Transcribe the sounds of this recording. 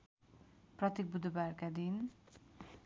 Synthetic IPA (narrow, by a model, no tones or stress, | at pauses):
prʌt̪ek̚bud̪barkad̪in